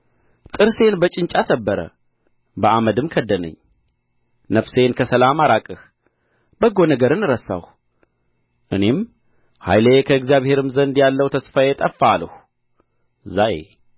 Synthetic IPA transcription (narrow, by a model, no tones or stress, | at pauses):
t̪ʼɨɾse̞nbət͡ʃʼɪnt͡ʃʼasəbːəɾə̰ | bəʔaməd̪ɨmkʰəd̪ːənə̰ɲː | nəfse̞nkʰəsəlamaɾakʼɨh | b̥əɡo̞nəɡəɾɨnɨɾəsːa̰h | ʔɨne̞m | ha̰jləekʰəɨɡzijaβhe̞ɾɨmzənd̪jalːəwt̪ʰəsfajet̪ʼəfːaləh | zajḛ